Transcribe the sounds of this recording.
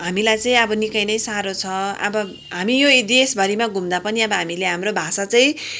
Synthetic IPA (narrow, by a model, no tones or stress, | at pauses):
ɦamilajt͡sʌĩʌbʌnikʌjnʌjsaɾot͡sʰʌʌ̰bʌ | ɦamijoid̪iesbʱʌɾimaɡumd̪apʌniʌbʌɦamileɦamrobʱasat͡sʌĩ